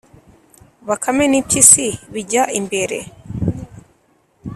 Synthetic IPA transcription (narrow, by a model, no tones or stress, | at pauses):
βakʰamenipisiβiɟaʔimbeɾḛ